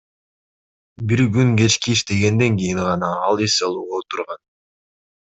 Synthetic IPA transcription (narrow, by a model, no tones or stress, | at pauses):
biɾɡyŋɡe̞t͡ʃkiiʃt̪e̞ɡe̞nd̪e̞ŋkʲijiŋʁɑnɑɑlˠesɑlˠuːʁoot̪uɾʁɑn